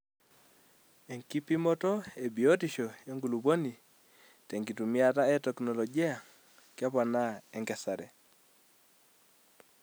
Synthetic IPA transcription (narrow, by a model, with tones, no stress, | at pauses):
e˨ŋki˦pi˦mɔ˦tɔ˦e˨bi˨o˦tiʃɔ˨je˦ŋɡu˨lu˨βo˦ni˨ | tɛ˨ŋɡi˨tu˨mi˦a˨ta˦ɛ˦tɛknɔ˨lɔ˨ɡi˦a˨ | kja˦pa˨na˦ɛ˨ŋɡɛsa˨ɾɛ̰˨